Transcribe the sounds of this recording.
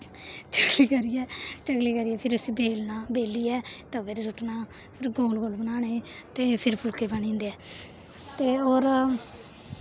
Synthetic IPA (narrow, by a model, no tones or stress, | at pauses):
t͡ʃəɡliːkəɾiːɛːt͡ʃəɡliːkəɾiːɛːpʰɪɾʊsiːbʱeːlnaːbeːliːɛːt̪aːʋɪɾsʊʈʰnaː | pʰɪɾɡoːlɡoːlbənaːɳeːt̪eːpʰɪɾpʰʊlkeːbanĩːnd̪eːɛː | t̪eːoːɾ